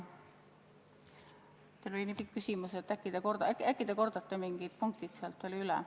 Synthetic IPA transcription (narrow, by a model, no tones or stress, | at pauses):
t̪elo̞lʲinipikːkːysʲimuset̪ːˑækːˑid̪̥eko̞rd̪ɑkækːˑid̪̥eko̞rd̪̥ɑt̪ːemiŋɡ̥id̪̥̚puŋk̚t̪id̪̥seɑlt̪veːlylɛ̰